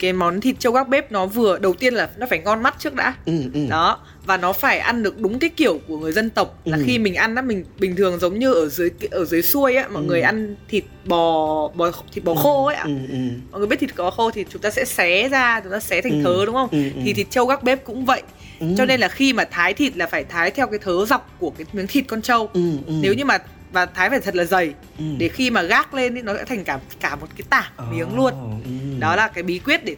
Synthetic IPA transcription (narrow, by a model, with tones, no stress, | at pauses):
kaː˨˦jmɔ˨˦nt̪ʰi˨˩t̚t͡ɕə˧wɣaː˦˥k̚ɓe˦˥p̚nɔ˨˦vɨ˨˩əɗə˨˩wt̪i˧ənlaː˨˩nɔ˨˦faː˧˩jŋɔ˧nma˦˥t̚t͡ɕɨ˦˥ək̚ɗa̰ː˧˨˦ɗɔ˨˦ | vaː˨˩nɔ˨˦faː˧˩jʔa˧nɗɨ˨˩ək̚ɗʊ˨˦ŋ͡mkaː˨˦jki˧˩əwku˧˩əŋɨ˨˩əjzə˧nt̪ə˨˩wk͡p̚laː˨˩xi˧mï˨˩ŋ̟ʔa˧nʔaː˨˧˦mï˨˩ŋ̟ɓï˨˩ŋ̟t̪ʰɨ˨˩əŋzə˨˦wŋ͡mɲɨ˧ʔəː˧˩zɨ˨˦jkːʔəː˧˩zɨ˨˦jsu˧əjʔaː˨˦mɔ̰˧˨jŋɨ˨˩əjʔa˧nt̪ʰi˨˩t̚ɓɔ˨˩ɓɔ˨˩xt̪ʰi˨˩t̚ɓɔ˨˩xo˧˨˦ʔa̰˧mmɔ̰˨jɓt̪ʰi˨˩kɓxo˧t̪ʰi˨˩t͡ɕʊ˨˦ŋ͡mt̪aː˧sɛ̰˧˥sɛ˨˦zaː˧t͡ɕʊ˨˦ŋ͡mt̪aː˧sɛ˨˦t̪ʰɛ˨˩ŋ̟t̪ʰəː˨˦ɗʊ˨˦ŋ͡mxə˧wŋ͡mt̪ʰi˨˩t̪ʰi˨˩t̚t͡ɕə˧wɣaː˦˥k̚ɓe˦˥p̚kʊ̰˧˥ŋ͡mvə̰˧˨jʔ | t͡ɕɔ˧ne˧nlaː˨˩xi˧maː˨˩t̪ʰaː˨˦jt̪ʰi˨˩t̚laː˨˩faː˧˩jt̪ʰaː˨˦jt̪ʰɛ˧wkaː˨˦jt̪ʰəː˨˦za˨˩wk͡p̚ku˧˩əkaː˨˦jmi˨˦ŋt̪ʰi˨˩t̚kɔ˧nt͡ɕə˧wne˨˦wɲɨ˧maː˨˩ | vaː˨˩t̪ʰaː˨˦jfaː˧˩jt̪ʰə˨˩t̚laː˨˩zə˨˩j | ɗe˧˩xi˧maː˨˩ɣaː˦˥k̚le˧ni˨˦nɔ˨˦sɛ̰˧˥t̪ʰa˨˩ŋ̟kaː˧˩ | kaː˧˩mo˨˩t̚kaː˨˦jt̪aː˧˩mi˨˦əŋlu˧ənɗɔ˨˦laː˨˩kaː˨˦jɓi˨˦kwi˦˥ət̚ɗe˧˩